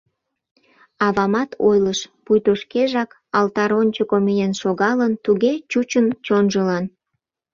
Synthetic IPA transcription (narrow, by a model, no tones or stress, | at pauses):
ɑβɑmɑt̪ʰo̰jləʃpujt̪oʃkeʒɑk | ɑlt̪ɑɾonʲt͡ɕokomijenʃoɣɑlənt̪uɣet͡ɕut͡ɕənt͡ɕonʒəlɑn